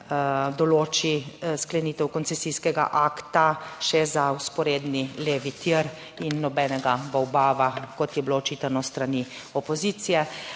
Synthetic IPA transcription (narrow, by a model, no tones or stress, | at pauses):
d̪ɔloːt͡ʃisklɛniːt̪ɛwkɔnsɛsijskɛɡa̰ʔaːkt̪aʃɛzauspɔɾeːd̪nileːʋit̪iɾ | inːɔbɛːnɛɡabɔwbaːʋakɔt̪jɛbiloːt͡ʃiːt̪anɔst̪ɾani | ɔpɔziːt̪sijɛ